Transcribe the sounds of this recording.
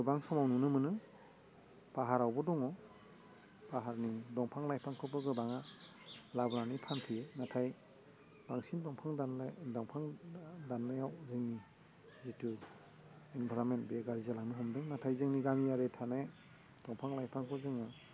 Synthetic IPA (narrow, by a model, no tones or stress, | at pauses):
ɡɯbaŋsɔmawnunɯmɯnɯ | b̥aɦaɾawbɔdɔŋɔ | b̥aɦaɾnidɔŋpʰaŋlajpʰaŋkʰɯbɯɡɯbaŋa | labɾanipʰanpʰienatʰaj | b̥aŋsinbɔŋpʰaŋddaŋpʰaŋdanːajawzɯŋni | zitu | inbʰʱaɾɔmentbeɡaɾizalaŋniɦɔmdɯŋnatʰajzɯŋniɡamiaɾetʰane | d̥ɔŋpʰaŋlajpʰaŋkʰɔzɯŋa